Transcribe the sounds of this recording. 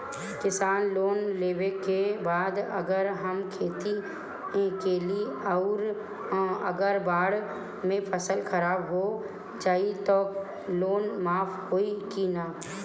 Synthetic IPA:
kɪsaːnloːnleːwekebaːd̪ɐ̰ɡəɾɦəmkʰeːt̪i | keːliiɔʊɾ | əɡəɾbaːɽ | mẽpʰəsəlkʰəɾaːbɦo | d͡ʒaːit̪o | loːnmaːpʰhoːikinaː

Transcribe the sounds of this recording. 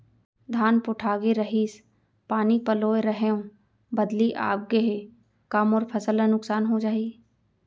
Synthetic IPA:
d̪ʱaːnpʊʈʰaːɡeɾəɦiːs | paːnipəloːeɾəɦeõː | bəd̪liʔa̰ːp̚ɡeɦe | kamoːɾpʰəsələ̃nʊksaːnɦõd͡ʒaːiː

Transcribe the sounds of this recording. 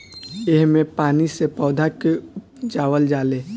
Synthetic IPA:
ɪɦmẽpaːnisepɔːd̪ʱake | d͡ʒaːʋəld͡ʒaːleː

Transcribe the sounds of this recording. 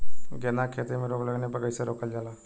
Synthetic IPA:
ɡenakʰeːt̪emẽɾoːɡləɡnebəɡəiseɾoːkəld͡ʒaːlaː

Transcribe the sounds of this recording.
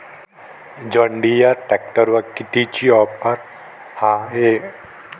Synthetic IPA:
d͡ʒəɳɖijaʈɛk̚ʈəɾʋakiʈ̪it͡ʃiɔpaɾ | hãe

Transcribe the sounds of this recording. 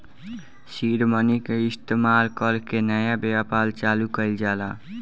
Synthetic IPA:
siɾmənikeɪst̪emalkəlkenəjabeapalt͡ʃalukəɪld͡ʒala

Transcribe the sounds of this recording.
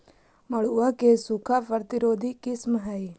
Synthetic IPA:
məɽuakesukʰapəɾt̪iɾoːd̪ʱikɪsmɦəj

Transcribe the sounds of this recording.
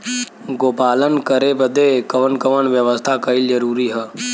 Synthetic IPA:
ɡoːpaːlənkəɾebəd̪ekəʋənkəʋənʋjəʋəst̪ʰakɐɪld͡ʒəɾuːɾiɦə

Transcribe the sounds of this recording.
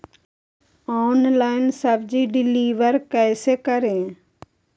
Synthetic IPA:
ɔːnlaːɪnsəbd͡ʒiːɖɪliːʋəɾkɛːsekəɾẽː

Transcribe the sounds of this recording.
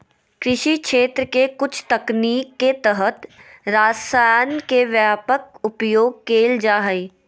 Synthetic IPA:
kɾɪʃikʃeːt̪ɾəkekʊt͡ʃʰt̪ɐkniːkːet̪əɦət̪ɾaːsajnkeʋjaːpəkʊpjoːɡ̚keːld͡ʒaːɦəi

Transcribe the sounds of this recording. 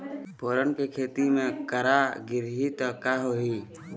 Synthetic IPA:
pʰoːɾənkekʰeːt̪imẽkəɾaɡɪɾɦit̪ɔkaɦoɦi

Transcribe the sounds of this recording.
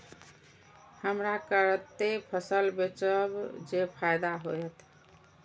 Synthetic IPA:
həmɾakəɾət̪ːepʰəsəlbet͡ʃəbd͡ʒepʰajd̪aɦojɛt̪ʰ

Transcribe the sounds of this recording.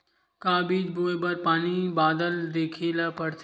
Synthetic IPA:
kaːbiːd͡ʒboːebɐɾpaːnibaːd̪əld̪eːkʰilapɐɾt̪ʰ

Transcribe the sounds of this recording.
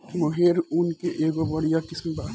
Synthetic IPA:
moɦeɾunkeʔeːɡobɐɽijakɪsebaː

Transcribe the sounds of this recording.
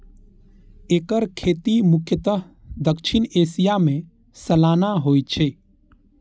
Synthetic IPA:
eːkəɾkʰeːt̪imʊkʰjət̪əɦ | d̪əkʃʰineːsijamẽ | səlaːnaɦoːjt͡ʃʰe

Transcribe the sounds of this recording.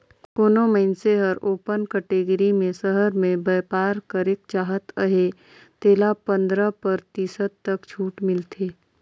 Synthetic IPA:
koːnoməɪnseɦəɾoːpənkəʈeːɡɾimẽsəɦəɾmẽbɛːpaːɾkəɾeːk̚t͡ʃaːɦət̪əɦe | t̪eːlapə̃nd̪ɾəpɐɾt̪iːsət̪ːɐkt͡ʃʰuːʈmɪlt̪ʰeː

